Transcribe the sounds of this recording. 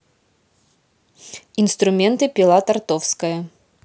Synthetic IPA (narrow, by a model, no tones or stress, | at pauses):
inst̪ɾʊmʲɛnt̪ɨpʲilˠat̪art̪ɔfskɐjɐ